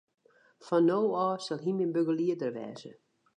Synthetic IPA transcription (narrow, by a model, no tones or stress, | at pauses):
fɔnːoːɔːsɛlˠɦimjənbøɡəliədərʋɛ̰ːzə̰